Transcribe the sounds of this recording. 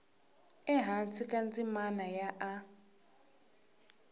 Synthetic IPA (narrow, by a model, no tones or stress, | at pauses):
ɛɦant͡sʰikʼant͡sʼimanajaʔa